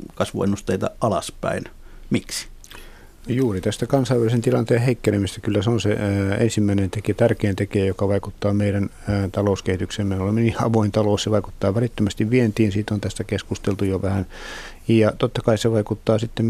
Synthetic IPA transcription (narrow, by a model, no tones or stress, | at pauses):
kɑsʋṵenːust̪eit̪ɑ̰ʔɑlɑspæ̰inmiksi̥ | juːrit̪æst̪ækɑnsɑiʋælisent̪ilɑnt̪eːheikːenemist̪ækylːæseonsḛḛnsimːæinent̪eket̪ærkeːnt̪ekeːjokɑʋɑikut̪ːɑːmeiɾæn | t̪ɑlouskehit̪ykseːmmenolemːeniːɑʋoint̪ɑloːsseʋɑiku̥t̪ːɑːʋælit̪ːømæst̪iʋʋient̪iːnsiːt̪ont̪æst̪ækeskust̪elt̪ujoʋæhæn | jjɑt̪ot̪ːɑkɑiseʋɑikut̪ːɑːsit̪ːem